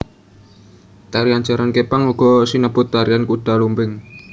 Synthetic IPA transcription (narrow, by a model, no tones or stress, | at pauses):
t̪aɾiaɲd͡ʒaɾankepaŋuɡ̥ɔsinəb̥ʊt̪ːaɾiankuɖ̥a̤lumbɪŋ